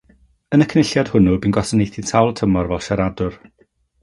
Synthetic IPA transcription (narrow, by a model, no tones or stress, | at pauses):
ənəkʰnɪɬjad̥hʊnubinɡɔsənejθintʰawlˠtʰəmɔrvɛlˠʃaɾadʊr